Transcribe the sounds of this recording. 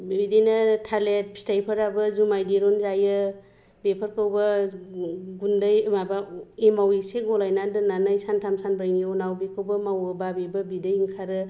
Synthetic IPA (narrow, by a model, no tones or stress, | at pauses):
bibidenatʰalet̚ʰi̥stajpʰəɾabɯzumajdeɾonzajɯ | bepʰəɾkɯwba | ɡundɯjɯmabaemawiseɡɔlajnadɯnanajsantʰamsanbɾajniɔnawbikʰɯwbamawɯbabebɯbidɯjiŋkʰaɾɯ